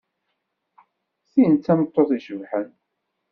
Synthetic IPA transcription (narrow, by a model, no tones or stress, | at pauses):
θijənt͡sːæmət̪ˤːoθiʃəvħən